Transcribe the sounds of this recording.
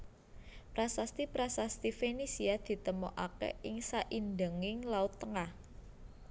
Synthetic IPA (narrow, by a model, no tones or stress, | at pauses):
pɾasast̪ipɾasast̪ifenisiad̪̥i̤t̪əmɔʔakɛ̰ʔɪŋsaʔindəŋɪŋlaʊt̪ːəŋah